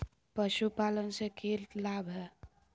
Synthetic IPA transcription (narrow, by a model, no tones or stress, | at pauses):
pəʃupalənsẽkʰellabɦɛ